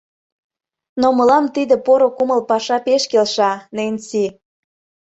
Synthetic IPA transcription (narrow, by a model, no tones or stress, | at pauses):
noməlɑmt̪id̪ə̆poɾokuməlpɑʃɑpeʃkelʃɑnenʲsi